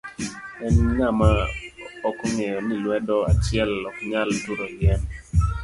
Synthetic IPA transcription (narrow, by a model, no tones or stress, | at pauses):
ɛnŋamaɔkŋɛjɔnilwɛdɔa̰t͡ʃɪɛlɔkɲaltuɾoɪɛn